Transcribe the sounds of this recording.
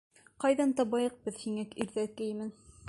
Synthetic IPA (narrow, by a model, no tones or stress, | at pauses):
qɑjðɑnt̪ɑbɑjɤq̚bɤðhiŋækiɾðækɘ̆jmɘn